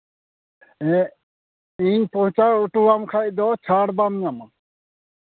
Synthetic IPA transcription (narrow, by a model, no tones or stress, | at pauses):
ɛ | iɲpɔ̃t͡ʃaɾuʈuamkʰajd̪ɔt͡ʃʰaɽbamiama